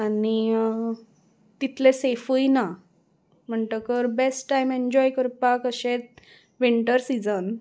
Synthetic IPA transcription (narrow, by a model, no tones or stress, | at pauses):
ani | t̪it̪ʰlesefujna | m̤əɳʈəkəɾbesʈːajmeɲd͡ʑɔjkəɾpakəɕet̪̚ | ʋiɳʈəɾsid͡zən